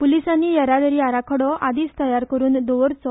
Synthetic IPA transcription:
pulisanːiːjəɾad̪əɾiaɾakʰəɽɔad̪iːt͡st̪əjaɾkəɾuːnd̪ɔʋɾt͡sɔ

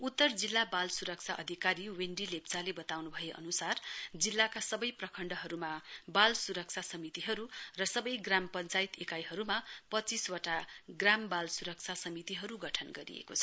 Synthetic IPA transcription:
ut̪ːʌrd͡zilːabalsuɾʌk̚t͡sʰaʔʌd̪ʱikaɾiweɳɖilept͡salebʌt̪awnubʱʌjeʔʌ̰nusard͡zilːakasʌbʌjprʌkʰʌɳɖʌɦʌɾumabalsuɾʌk̚t͡sʰasʌmit̪iɦʌɾurʌsʌbʌjɡrampʌnt͡sajit̪ekajɦʌɾumapʌt͡siswaʈaɡrambalsuɾʌk̚t͡sʰasʌmit̪iɦʌɾuɡʌʈʰʌnɡʌɾḭjḛkot͡sʰʌ̥

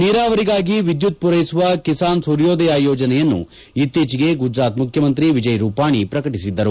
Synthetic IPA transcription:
niːɾaːʋɐɾiɡaːɡiʋid̪jut̪̚puɾɐjsuʋɐkisaːnsuɾjoːd̪ɐjaːjoːd͡ʒɐnɛjɐnːṵ | it̪ːiːt͡ʃiɡe̞ɡud͡ʒɾaːt̪mukʰjɐmɐnt̪ɾiʋid͡ʒɐjɾuːpaːɳipɾɐkɐʈisid̪ːɐɾu

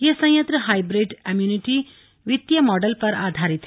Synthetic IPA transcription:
jesɐ̃jɐ̃nt̪ɾəɦajbɾeɖɐmjuniʈi | ʋit̪jɐmɔːɖəlpɐɾa̰ːd̪ʱaɾit̪

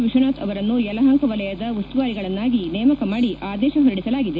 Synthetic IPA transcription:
ʋiʂɐnaːt̪ʰɐʋɐɾɐnːujɛlɐɦɐŋkɐʋɐlɛjɐd̪ɐʋɐst̪uʋaːɾiɡɐɭɐnːaːɡinɛːmɐkɐmaːɽiʔaːd̪ɛːʃɐɦoɾiɽisɐlaːɡid̪e

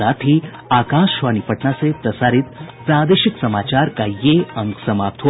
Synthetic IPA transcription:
at̪ʰi | akaʃʋanipəʈnasepɾəsaɾit̪pɾad̪eʃiksəmaːt͡ʃaɾkajeəŋksəmap̚t̪ʰo

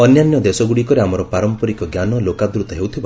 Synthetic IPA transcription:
ɔnjanjɔd̪esɔɡuɽikɔɾeamɔɾɔpaɾɔmpɔɾikɔɡjanɔlokad̪ɾut̪ɔɦewt̪ʰiba

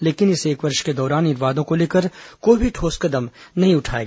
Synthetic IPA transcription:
leːkɪnɪseːkʋɐɾʃked̪ɔːɾaːnɪɾʋaːd̪õkoleːkəɾkoːibʱiʈʰoːskɐd̪əmnɐɦĩʊʈʰaːḛːɡː

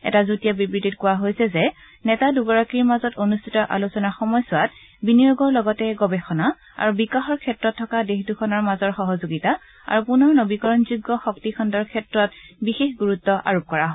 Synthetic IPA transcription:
ɛ̰tazutijabibɹititkʊwaɦojsɛzɛ | nɛtaduɡɔɹakiɹmazɔtonustʰitɔʔa̰lusɔnaxɔmɔjsʊwat | binijoɡɔɹlɔɡɔtɛɡɔbɛxɔna | a̰ɹubikaxɔɹkʰɛtɹɔtʰːɔkadexdukʰɔnɔɹmazɔɹxɔɦɔzoɡita | a̰ɹupunɔɹnobikɔɹɔnzuɡːɔxɔktikʰɔndɔɹkʰɛtɹɔtbixexɡuɹutːɔʔa̰ɹop̚kɔɹaɦɔj

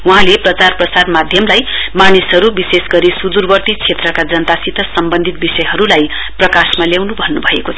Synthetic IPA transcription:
wuɦãleprʌt͡sarprʌsad̪mad̪ʱjʌmlajmanisɦʌɾubisesɡʌɾisud̪urbʌrt̪it͡sʰet̪rʌkad͡zʌnt̪asit̪ʰʌsʌmbʌnd̪ʱit̪̚bisʌjɦʌɾulaj | prʌkasmaljawnubʱʌnːubʱʌekot͡sʰ

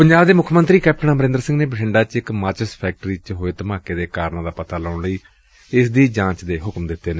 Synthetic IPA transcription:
pəɲd͡ʒaːbd̪eːmʊkʰmənt̪ɾiːkɛːp̚ʈəɳ̃ãːməɾẽnd̪ɾsɪ̃ŋɡneːbəʈʰɪɳɖaːt͡ʃɪkmaːt͡ʃəspʰɛːk̚ʈɾiːt͡ʃɦoːeːt̪əmãːkeːd̪eːkaːɾnãːd̪aːpət̪aːləːʊɳləiː | ɪsd̪iːd͡ʒãːt͡ʃd̪eːɦʊkmd̪ɪt̪ːeːneː

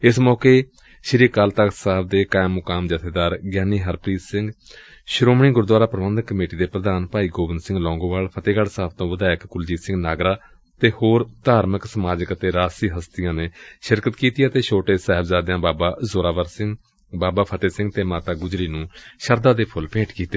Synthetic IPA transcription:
ɪsmɔːkeː | ʃɪɾiːkəlt̪əksaɦəb̚d̪eːkaːɪmːʊkaːmd͡ʒət̪ʰeːd̪aːɾɡjaːniːɦəɾpɾiːsɪ̃ŋɡ | ʃɾoːmɳiːɡʊɾd̪waːɾaːpɾəʋənd̪kəmeːʈiːd̪eːpɾəd̪aːnpaːiːɡoːbɪnd̪sɪ̃ŋɡlɔ̃ːŋɡõːʋaːlpʰət̪eːɡəɽsaːb̚t̪õːʋəd̪aːɪkkʊld͡ʒiːsɪ̃ŋɡnaːɡɾaː | t̪eːhoːɾt̪aːɾməksəmaːd͡ʒəkət̪eːɾaːsiːɦəst̪ɪjãːneːʃɪɾkət̪kiːt̪ɪjaːt̪eːʃʰoːʈeːsɛːɦəbzaːd̪jãːbaːbaːzoːɾaːʋəɾsɪŋɡ | baːbaːpʰət̪eːsɪ̃ŋɡt̪eːmaːt̪aːɡʊd͡ʒɾiːnũːʃəɾd̪aːd̪eːpʰʊlpẽːʈkiːt̪eː

